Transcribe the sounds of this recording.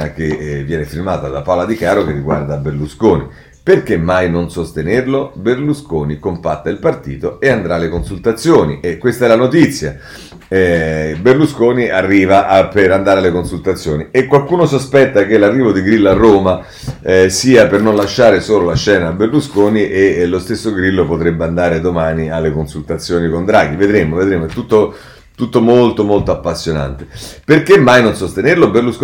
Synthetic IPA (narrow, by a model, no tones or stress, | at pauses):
ak̟evːjɛːnefirmaːt̪ad̪apalad̪ikaːɾok̟erːiɡwa̰rd̪aːbːerluskoːnḭ | perk̟emːajnonsost̪enerloberluskoːnikompat̪ːailpart̪iːt̪oeand̪ɾalːekonsult̪at̪sːjoːniʔekːwest̪aɛlanot̪it̪sːja | ɛberluskoːniarːiːvaʔpeɾand̪aːɾealekonsult̪at̪sːjoːniekːwalkuːnosospɛt̪ːak̟elarːiːvod̪iɡɾilːarːoːma | siːapernonlaʃːaːɾesoːlolaʃɛːnaːbːerluskoːniʔelost̪esːoɡɾilːopot̪ɾebːeand̪aːɾed̪omaːnialːekonsult̪at̪sːjoːnikond̪ɾaːɡ̟ived̪ɾemoved̪ɾemoɛt̪ːut̪ːo | t̪ut̪ːomolt̪omolt̪oapːasːjona̰nt̪eperkemːajnonsost̪enerloberlusk